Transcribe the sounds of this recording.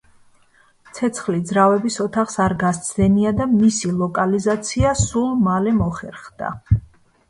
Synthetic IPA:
t̪sʰɛt̪sʰχlid̪zɾavɛbisɔt̪ʰaχsaɾɡast̪sʰd̪ɛniad̪amisilˠɔkʼalizat̪sʰiasulˠmalɛmɔχɛɾχd̪a̰

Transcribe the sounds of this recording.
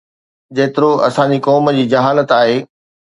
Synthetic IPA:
d͡ʑeːt̪ɪɾoɐ̰sãɲd͡ʑikɔːmə̆d͡ʑiːd͡ʑɐɦaːlət̪aːɦeː

